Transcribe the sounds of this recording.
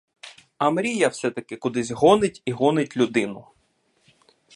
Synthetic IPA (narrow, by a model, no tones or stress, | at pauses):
ɐmɾʲijɐwsɛt̪ɐkɪkʊd̪ɪzʲɦɔnɪtʲiɦɔnɪtʲlʲʊd̪ɪnʊ